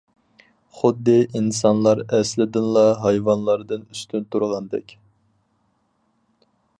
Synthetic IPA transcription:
χʊd̪ːɨʔinsɑnlˠɑɾɛslɪd̪ɨnlˠɑɦɑjvɑnlˠɑɾd̪ɨnyst̪ʰynt̪ʰuɾʁɑnd̪ɛ̰kʲ

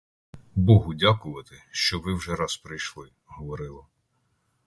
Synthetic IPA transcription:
bɔɦʊdʲakʊʋɐt̪ɪʃt͡ʃɔʋɪwʒɛɾɑspɾɪjʃlˠɪ | ɦɔʋɔɾɪlˠɐ

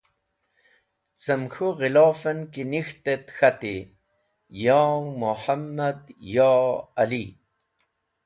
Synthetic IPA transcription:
t͡səmxuʁilɑːfənkinixt̪et̪xat̪i | jɑːmuħamːad̪jɑːali

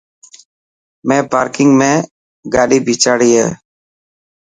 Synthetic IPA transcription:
mẽːpaːɾkɪŋɡmẽː | ɡaːɗiːbʱiːt͡ʃaːɽiːɦɛ̰ː

